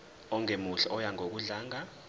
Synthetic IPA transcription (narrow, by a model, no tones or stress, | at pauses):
ɔŋʱemuɬɛʔɔjaŋok̬uɮaːŋa